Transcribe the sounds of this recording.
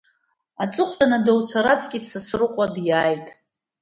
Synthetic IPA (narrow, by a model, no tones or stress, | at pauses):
at͡sʼɨχʷanadowt͡sʷʰaɾat͡sʼkʲʼisɨsrɨqʷʼadjaːjtʼ